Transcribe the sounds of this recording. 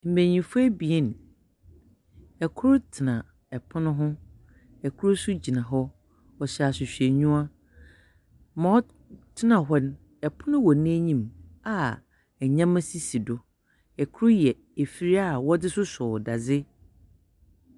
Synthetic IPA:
m̩˨mẽ˨ɲĩ˨fʊ˦ɛ˦bi˨e˦n˨ | ɛ˨kʰʊ˦ɾʊ˦tʰɪ˨nã˨ | ɛ˨pʰʊ˦nʊ̃˦ɦʊ̃˦ | ɛ˨kʰʊ˦ɾʊ˦sʊ˦d͡ʑi˨nã˨ɦɔ˦ | ɔ˨ɕa˨sɪ˨ɕᶣe˨ɲũ˦a˦ | mã˨ɔ˦ | tʰɪ˦nã˨ɦɔ˦n˦ | ɛ˨pʰʊ˦nʊ̃˦wɔ˨˦nẽ˦ɲĩ˦ma˨ | ɛ˨ɲã˦mã˦si˦si˨dʊ˨ | ɛ˨kʰʊ˦ɾʊ˦jɛ˨ | e˨fi˨ɾi˦a˦˨wɔ˦dɪ˦sʊ˦sʊ˨da˨d͡zɪ˦

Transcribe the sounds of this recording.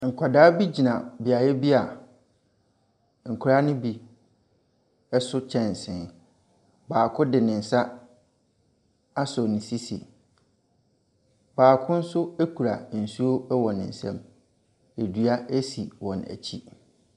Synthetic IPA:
ŋ̩˨kʷʰa˨daː˦bi˦d͡ʑi˨nã˨bi˨a˨jɛ˦bi˦a˨ | ŋ̩˨kʰu˦ɾa˦nɪ̃˦bi˦ | ɛ˦sʊ˦t͡ɕʰɛ̃˨n˨sɪ̃˨n | baː˨kʰʊ˦dɪ˨nɪ̃˨n̩˨sa˦ | a˦sɔ˨nɪ̃˨si˦sḭ˨ | baː˨kʰʊ̃˦n̩˦sʊ˦e˦kʰu˨ɾa˨n̩˨su˦o˦ɛ˦wɔ˨nɪ̰̃˨n̩˨sɛ̰̃˦m | e˨dɥa˦æ˦si˨wɔ̃˨næ̰˨t͡ɕʰi˦

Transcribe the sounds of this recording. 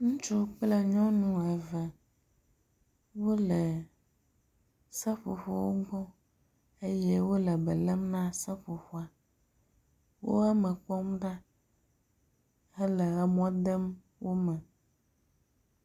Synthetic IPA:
ŋũ˦t͡ʃu˦k͡plɛ˦ɲɔ̃˦nũ˦ɛ˨vɛ˨ | wo˦lɛ˨ | sɛ˦ɸṵ˨ɸo˦˨wo˦ɡ͡bɔ̃˦ | e˦jɛ˦wo˦lɛ˨bɛ˨lɛ˦mnã˦sɛ˦ɸo˨ɸo˦a˨ | wo˦a˦mɛ̃˨k͡pɔ˦mɖa˦ | ɛ˦lɛ˨ɛ˨m˦ɔ̃˦d̪ɛ˦m | wo˦mɛ̃˨

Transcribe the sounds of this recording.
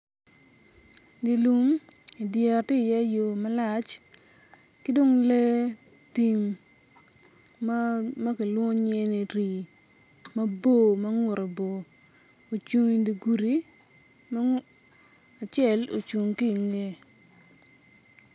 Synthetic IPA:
di˨lu˨m | i˨dja˨tɪ˦˨jɛ˦jo˨mɐ˦la˨t͡ʃ | ki˦do˦ŋle˦ | ti˨m | ma˦kɪ˨lwɔ˦ɲe˦ni˨ɾi˨ | mɐ˦bo˦mɐ˦ŋʊ˨ɾo˨bo˨ | o˨t͡ʃu˨ŋi˨di˨ɡu˨ɾi˦ | ma˦ | a˨t͡ʃɪɛ˦˨lo̰˨t͡ʃu˨ŋki˦˨nle˦

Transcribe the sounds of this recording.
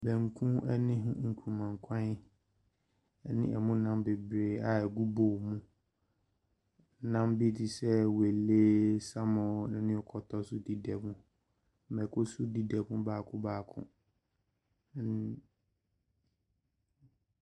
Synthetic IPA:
bæ̃˨ŋ˨kʰũ˦ɛ˦nɪ̃˦ɦʊ̃˦ŋ̩˨kʰu˨mã˨ŋ˨kʰã˦n˦ | ɛ˨nɪ̰̃˦ʔɛ̰˨mũ˦nã˦mbe˨bɾeː˨a˨ɛ˨ɡu˦bo˨mũ˦˨˦ | nã˦mbɪ˦di˨sɛ˦we˨lːe˦sa˦mɔ̃˨˦nɪ̃˨˦nɪ̃˦ɔ˨kʰɔ˨tʰɔ˦sʊ˦di˦dɛ˨mũ˦˨ | mɛ˨kʰʊ˦sʊ˦di˦dɛ˨bũ˦baː˨kʰʊ̃˦baː˨kʰʊ̰̃˦

